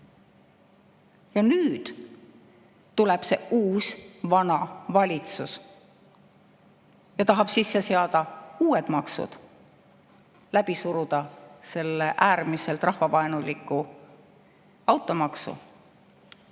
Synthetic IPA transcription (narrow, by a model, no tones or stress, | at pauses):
jɑnyːd̪̥ | t̪uleb̥se̞̰ʔuːsvɑnɑvɑlʲit̪sus | jɑt̪ɑɦɑb̥sisːe̞seɑd̪̥ɑuːed̪̥mɑksṵd̪̥ | læb̥isuɾud̪̥ɑse̞lːeʔæːrmise̞lt̪ˑrɑhvɑvɑenulʲikːˑu | ɑwt̪ːˑo̞mɑksṵ